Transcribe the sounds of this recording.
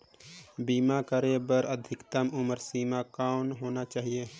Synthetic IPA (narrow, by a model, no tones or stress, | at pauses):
biːmakəɾebəɾəd̪ʱɪkt̪əmʊməɾsiːmakaːnɦoːnat͡ʃaːɦie